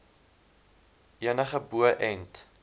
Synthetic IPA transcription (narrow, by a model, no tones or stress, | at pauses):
ʔiənəχəbuəʔɛnt